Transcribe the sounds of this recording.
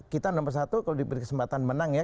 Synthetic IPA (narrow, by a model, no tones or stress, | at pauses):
kit̪anɔmpərsat̪ukalodibəɾikəsəmpat̪anmənaŋja